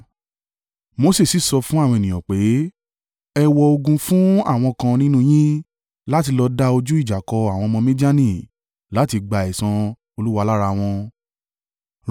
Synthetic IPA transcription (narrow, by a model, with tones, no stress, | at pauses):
mo˨˦se˦˨si˨˦˨sɔ˧fũ˦a˦˨wɔ̃˧e˨nĩ˨ɔ̃˨k͡pe˨˦ | ɛ˧wɔ˧o˧ɡũ˧fũ˦a̰˦˨w̃ɔ̃˧kã˧nĩ˦nũ˦j̃ĩ˦ | la˦ti˧lɔ˧da˦o˧d͡ʒu˦i˦˨d͡ʒa˨kɔ˧a˨w̃ɔ̃˧mɔ̃˧mĩ˦di˦a˦nĩ˦˨ | la˨˦ti˧ɡ͡ba˧ɛ˨sã˧ | o˧lu˦wa˧la˦ɾa˧w̃ɔ̃˧